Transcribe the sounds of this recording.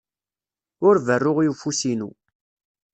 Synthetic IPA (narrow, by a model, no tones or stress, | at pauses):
ʊɾvərːʊʁiufusinu